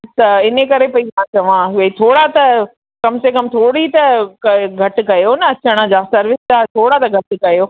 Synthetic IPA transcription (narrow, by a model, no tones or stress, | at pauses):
t̪ɐɪnekɐɾepɐizãt͡ɕɐʋãɦɪʋɐit̪ʰoːɽat̪ɐ | kɐmsekɐmt̪ʰoːɽit̪ɐkɐɡʱɐʈ̆kɐjonɐɐt͡ɕəɽ̃əd͡ʑaːsɐɾʋɪsd͡ʑat̪ʰoːɽat̪ɐɡʱɐʈ̆kɐjoː